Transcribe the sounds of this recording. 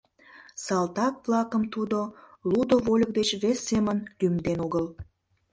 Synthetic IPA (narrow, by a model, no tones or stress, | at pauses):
sɑlt̪ɑkβlɑkəmt̪ud̪olud̪oβolʲək̚d̪et͡ɕβesːemənlymd̪enoɣəl